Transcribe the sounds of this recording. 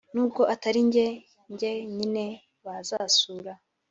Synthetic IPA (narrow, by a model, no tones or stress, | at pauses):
nuːb̚ɡo̞ʔataɾiɲɟe | ɲɟe̞ɲine̞ | βazasuːɾa